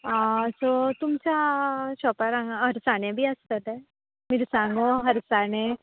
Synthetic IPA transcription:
asot̪ʊmt͡ʃat͡ʃɔːpaɾãŋɦɐɾsaːnebʱiast̪əlɛ | mɪɾsãːŋɡõɦɐɾsaːne

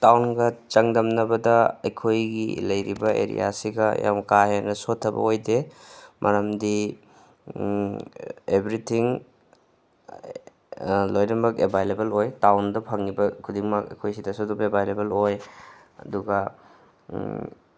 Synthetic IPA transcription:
tawnɡɐt͡ʃɐŋdɐmnɐbɐdɐɐ̰jkʰojɡḭlɐjɾḭbɐʔḛɾḭja̰siɡɐ̰ja̰mkaɦenɐsotʰːɐbɐ̰ojdemʔɐɾɐmdi | ebɾitʰiŋ | lojɾɐmɐkebʱajlebelojtawndɐpʰɐŋːibɐkʰudiŋmɐkɐ̰jkʰojsidɐsodubebʱajlebeloj | ɐ̰duɡɐ

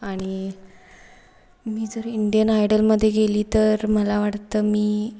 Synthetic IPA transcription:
aɽ̃i | miːd͡zəɾiɳɖijənajɽəlməd̪ʱːjeɡeliːt̪əɾməlaʋaʈt̪əːmiː

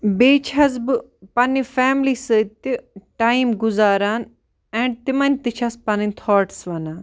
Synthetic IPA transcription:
beːt͡ʃʰɐzbɨ | pɐnifɛːmlisət̪iʈaːimɡʊzaːɾaːn | ɛ̃ːɳɖt̪imɐnʲt̪it͡ʃʰɐspɐninʲt̪ʰɔːʈsʋɐnaːn

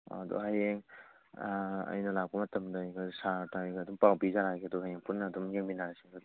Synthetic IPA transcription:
a̰dɔ̰ɦajeŋ | ɐ̰jnɐlak̚pɐmɐtɐmdɐjɡasatajɡdumpawbizaɾaɡeɐdɔɦajeŋpunːɐːdumjeŋbinaɾasiɡ

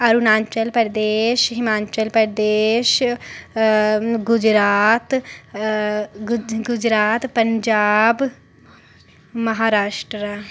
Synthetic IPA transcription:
əɾunaːɲt͡ʃəlpəɾd̪eːʃɦɪmaːt͡ʃəlpəɾd̪eːʃ | ɡʊd͡ʒɾaːt̪ | ɡʊd͡ʒɾaːt̪pəɲd͡ʒaːb | məɦaːɾaːʃʈɾa

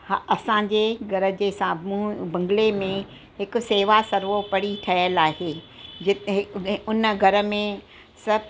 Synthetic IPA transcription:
hɐsãːɲ̆d͡ʑeːɡʱɐɾə̆d͡ʑeːsãːmubɐ̃ŋɡɪlemẽ | ɦɪkʊ̆seːʋasɐɾʋopɐɽiʈʰɐəlaːɦeː | d͡ʑɪɦɪʊnɡʱɐɾə̆mẽ | sɐb

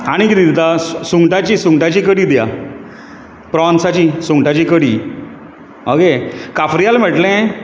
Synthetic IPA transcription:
aɽ̃ikid̪id̪it̪asuŋɡʈat͡ɕiːsuŋɡʈat͡ɕikəɽiːd̪ja̰ | pɾɔnsat͡ɕisuŋʈat͡ɕikəɽiː | oɡekafɾijalm̤əʈlɛ̃

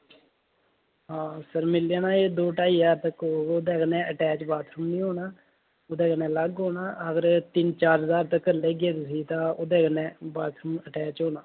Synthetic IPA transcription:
ɦãːsəɾmɪljaːnãːeːd̪oːʈaːiːzaːɾt̪əkoːod̪eːkənɛ̃ːəʈɛːt͡ʃbaːt̪ʰɾəmnĩːɦoːnaː | ʊd̪ẽːkənɛ̃ːləɡɦoːnaːəɡəɾt̪ɪnt͡ʃaːɾɦəzaːɾt̪əkːleːɡeːt̪ʊs̬iːt̪ãːod̪ẽːkənɛ̃ːbaːt̪ʰɾəməʈɛːt͡ʃɦoːnaː

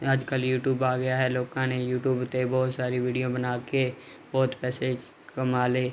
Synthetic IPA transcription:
əd͡ʒkəljuːʈjuːbaːɡəjaːɦɛːloːkãnejuːʈjuːbt̪ebɔːt̪saːɾiʋiːɖijõːbənaːke | bɔːt̪pɛːse | kəmaːleː

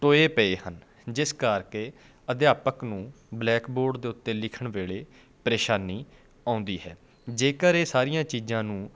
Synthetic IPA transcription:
ʈoːeːpəeːhən | d͡ʒɪskəɾkeː | əd̪ɪjaːpəknũː | blɛːkboːɾɖd̪eːʊt̪ːeːlɪkʰəɳʋeːɭeː | pəɾeːʃaːniː | ãːʊnd̪iːɦɛː | d͡ʒeːkəɾeːsaːɾijãːt͡ʃiːzãːnũː

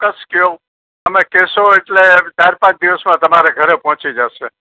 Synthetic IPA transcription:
kəskjo | əmekeʃoeʈlet͡ʃaɾpãt͡ʃd̪iʋəsmãt̪əmaɾeɡʱəɾepɦɔ̃t͡ʃid͡ʒaʃe

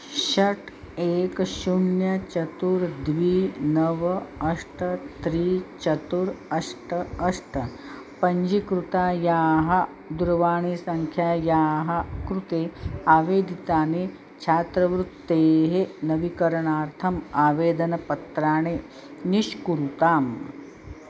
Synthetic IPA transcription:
ʃɐʈʰ | eːkʃuɳjɐt͡ʃɐt̪uɾd̪ʋiːnɐʋɐɐʂʈɐt̪ɾiːt͡ʃɐt̪uɾɐʂʈɐɐʂʈɐ | pɐɲd͡ʒikɾut̪aːjaːɦɐ | d̪uɾɐʋaːɳeːsɐŋkʰjaːjaːɦɐkɾut̪eːaːʋeːd̪ʱit̪aːneː | t͡ʃʰaːt̪ɾɐʋɾut̪ːeːɦenɐʋikɐɾɐɳaːɾt̪ʰɐmaːʋeːd̪ɐnɐpɐt̪ɾaːɳ̃eː | niʃkuɾut̪aːm

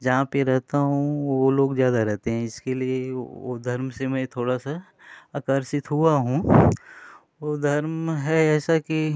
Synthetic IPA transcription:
d͡ʒɐɦãpeɾɛɦt̪aɦũoloːɡzjaːd̪aɾɛɦt̪eɦɛ̃ɪskelieo̰d̪ʱɐɾmsemɛ̃t̪ʰoːɽasa | aːkəɾsɪt̪ɦuaɦũː | od̪ʱɐɾmɦɛɛːsaki

